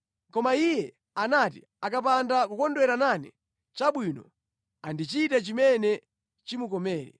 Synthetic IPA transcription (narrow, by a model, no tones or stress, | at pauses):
kɔmaijɛ | anatḭ | akap̬andakukɔndwɛɾananḭ | t͡ʃaɓwinɔ | andit͡ʃitat͡ʃimɛnɛ | t͡ʃimukɔmɛːɾɛ̰